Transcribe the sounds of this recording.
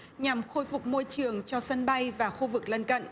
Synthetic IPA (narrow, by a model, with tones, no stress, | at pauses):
ɲa˨˩mxo˧jfʊ˨˩k͡p̚mo˧jt͡ɕɨ˨˩əŋt͡ɕɔ˧sə˧nɓa˧jvaː˨˩xu˧vɨ˨˩k̚lə˧nkə̰˧˨nʔ